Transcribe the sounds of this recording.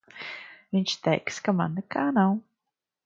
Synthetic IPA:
viɲʲt͡ʃt̪ɛjkskama̰nːɛkaːnaw

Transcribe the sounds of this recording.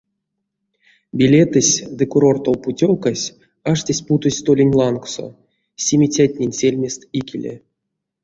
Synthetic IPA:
bʲilʲe̞t̪ɨsʲd̪ɨkuɾo̞rt̪owputʲowkasʲ | aʂtʲasʲput̪osʲt̪olʲenʲlˠankso̰ | sʲemʲit͡sʲat̚ʲnʲenʲsʲelʲmʲest̪ikʲelʲḛ

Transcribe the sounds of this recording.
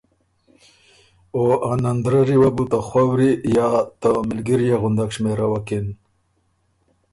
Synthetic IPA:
oanand̪ɾaɾiwabut̪axwawɾijɑt̪əmɪlɡiɾjaɣʊnd̪akʂmeɾawakin

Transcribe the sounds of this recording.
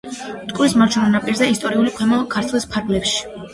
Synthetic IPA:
t̪ʼkʼlismaɾt͡ʃʰunanapʼiɾzaist̪ʼɔɾiulikʰwɛmɔkʰaɾt̪ʰlˠispʰaɾɡlɛpʃi̥

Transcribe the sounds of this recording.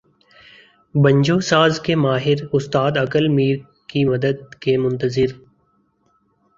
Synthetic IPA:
bə̃ɲd͡ʒoːsaːzkemaːɦɪɾʊst̪aːd̪ɐkəlmiːɾ | kimɐd̪əd̪̚kemʊ̃nt̪əzɪɾ

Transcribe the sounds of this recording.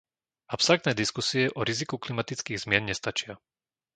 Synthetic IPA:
apst̪ɾaɾk̚t̪nɛːd̪iskusiɛʔɔɾizikuklimat̪it͡skiːɣzmɪɛnɲɛst̪at͡ʃɪa

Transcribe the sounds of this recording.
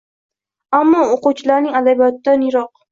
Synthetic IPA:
amːɒoquwt͡ʃʰɪlaɾnɪŋad̪abijɒt̪ɪd̪anjɪɾɒq̚

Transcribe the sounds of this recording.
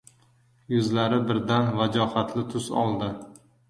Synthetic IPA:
jʊzlaɾɪbɪɾd̪anvad͡ʒɒhat̪ʰlɪt̪ʰʊsɒ̰lˠd̪ɪ

